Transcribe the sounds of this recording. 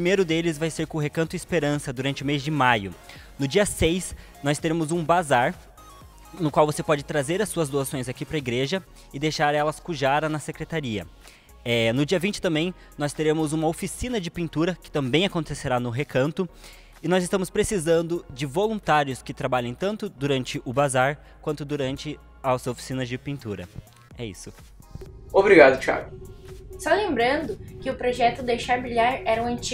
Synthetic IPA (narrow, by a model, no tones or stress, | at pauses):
pɾimejɾʊd̪elɪzvajseɾkõʊɦekɐ̃nt̪ʊɪspeɾɐ̃sɐd̪uɾɐ̃nt͡ʃɪʊmezd͡ʒɪmajʊ | nʊd͡ʒiɐsejs | nɔst̪eɾẽmʊzũbazaɾ | nʊkwawvosepɔd͡ʒɪt̪ɾazeɾɐsuɐzd̪oasõj̃zakipɾɐiɡɾeʒɐ | ɪd̪ejʃaɾɛlɐskuʒaɾɐnɐsekɾet̪aɾiɐ̰ | ɛnʊd͡ʒiɐvĩnt͡ʃɪt̪ɐ̃mbẽj̃ | nɔst̪eɾẽmʊzũmɐofisĩnɐd͡ʒɪpĩnt̪uɾɐkɪ̥t̪ɐ̃mbẽj̃akõnt̪eseɾanʊɦekɐ̃nt̪ʊ | ɪnɔzɪst̪ɐ̃mʊspɾesizɐ̃nd̪ʊd͡ʒɪvolũnt̪aɾjʊskɪt̪ɾabaʎɐ̃j̃t̪ɐ̃nt̪ʊd̪uɾɐ̃nt͡ʃɪʔʊbazaɾ | kwɐ̃nt̪ʊd̪uɾɐ̃nt͡ʃɪ | ɐzofi̥sĩnɐzd͡ʒɪpĩnt̪uɾɐ̰ | ɛḭsʊ | obɾiɡad̪ʊt͡ʃa̰ɾɡʊsɔlẽmbɾɐ̃nd̪ʊkɪʊpɾoʒɛt̪ʊd̪ejʃaɾbɾiʎaɾɛɾɐũɐ̃nt͡ʃi